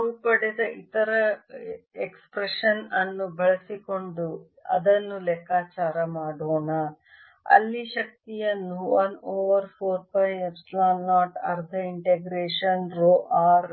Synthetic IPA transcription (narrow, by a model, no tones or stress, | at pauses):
ɐupɐɽɛd̪ɐʔit̪ɐɾɐ | ekspɾeʂɐnɐnːubɛɭɐsiko̞ɳɖu | ɐ̰d̪ɐnːulɛkːaːt͡ʃaːɾɐmaːɽoːɳɐ | ɐ̰lːiʃɐk̚t̪ijɐnːuʋɐnoːʋɐɾpʰoːɾpɐjepslaːnːaːʈɐ̰ɾt̪ʰɐiɳʈeɡɾeːʂɐnɾoːʔaːɾ